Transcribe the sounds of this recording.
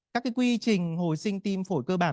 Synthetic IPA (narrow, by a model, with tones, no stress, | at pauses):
aː˦˥kːaː˨˦jkwi˧t͡ɕï˨˩ŋ̟ho˨˩jsï˧ŋ̟t̪i˧mfo˧˩jkəː˧ɓaː˧˩˨